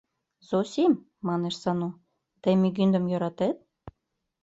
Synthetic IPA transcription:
zosʲimː | ɑneʃsɑno | t̪emyɡynd̪əmjøɾɑt̪et̪̚

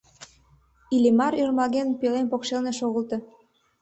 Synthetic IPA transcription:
ilʲimɑɾyrmɑɣenpelenpokʃelneʃoɣəlt̪ɤ̽

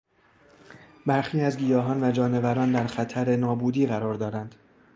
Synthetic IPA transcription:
bæɾxiːæzɡijɒːɦɒːnvæd͡ʒɒːne̞væɾɒːnd̪æɾxæt̪ʰæɾe̞nɒːbuːd̪iːɣæɾɒːɾd̪ɒːɾænd̪̥

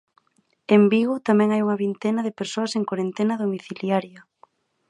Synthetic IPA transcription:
embiɣʊt̪amɛ̃ŋajuŋɐβint̪enɐðepeɾsoɐseŋkwaɾent̪enɐðomiθiljaɾjɐ

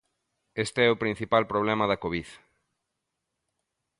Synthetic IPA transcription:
est̪eɛʊpɾĩn̟θipalpɾoβ̞lɛmɐðɐkoβið

